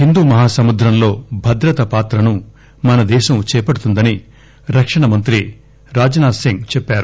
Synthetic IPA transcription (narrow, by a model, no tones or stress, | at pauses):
hind̪uːmɐɦaːsɐmud̪ɾɐmlo̞ːbʱɐd̪ɾɐt̪ɐpaːt̪ɾɐnu | mɐnɐd̪ɛːʃɐmt͡ʃɛːpɐɽut̪und̪ɐni | ɾɐkʂɐɳɐmɐnt̪ɾi | ɾaːd͡ʒɐnaːsiŋɡt͡ʃɛpːaːɾu